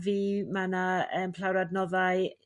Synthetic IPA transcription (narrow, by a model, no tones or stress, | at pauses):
viːmanaəːmpʰl̥ˠawɾadnɔðaɨ